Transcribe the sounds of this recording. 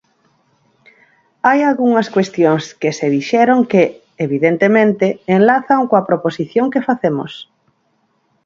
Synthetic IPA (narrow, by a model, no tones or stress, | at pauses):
ajalɣuŋɐskwest̪joŋskeseðiʃɛɾoŋke | eβiðent̪emẽnt̪eːŋlaθaŋkoɐpɾoposiθjoŋkefaθemo̰s